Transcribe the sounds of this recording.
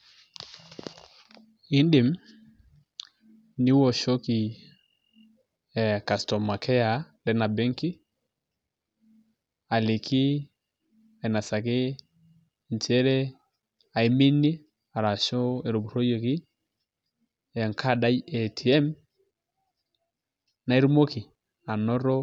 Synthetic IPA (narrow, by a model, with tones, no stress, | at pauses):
i˦nde˨m | ni˦wɔ˨ʃɔ˦ki˨ | ka˨stɔ˨ma˨kɛ˦a˨ | lɛ˦na˨bɛ˦ŋki˦ | a˨li˨kʰi˦ | a˨i˨na˨sa˨ke˦ | n˨t͡ʃɛ˦ɾɛ˦ | a˨i˨mi˦ni˦ | a˨ɾa˨ʃɔ˦ɛ˨ɾo˨bu˨ɾo˦jo˨ki˦˨ | ŋkʰa˦da˦jɛ˨tʰi˨ɛ˦m | na˨e˦ɾmo˦ki˨ | a˨nɔ˦ɾɔ˦